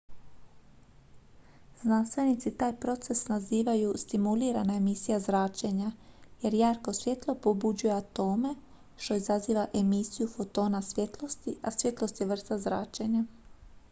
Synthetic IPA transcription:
znanst̪ʋe̞nit̪sit̪aːjpɾo̞t̪se̞snaziːʋajust̪imuliːɾanae̞misijazɾaːt͡ʃeɲaje̞ɾjaːɾko̞sʋje̞t̪lˠo̞po̞bud͡ʑuje̞at̪o̞ːme̞ | ʃt̪o̞izaziːʋaʔe̞misijufo̞t̪o̞ːnasʋje̞t̪lˠo̞st̪iʔasje̞t̪lˠo̞st̪jeʋr̩st̪azɾaːt͡ʃe̞ɲa

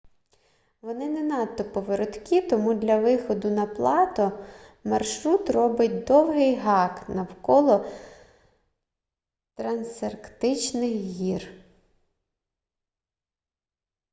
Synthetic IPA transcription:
ʋɔnɪnɛnɑt̪ːɔpɔʋeɾɔt̪kʲit̪ɔmud̪lʲɐʋɪxɔd̪ʊnɐplˠɑt̪ɔ | mɐrʃɾut̪rɔbɪtʲd̪ɔwɦɪjɦɑknɐwkɔlˠɔ | t̪ɾɐnserkt̪ɪt͡ʃnɪxɦʲir

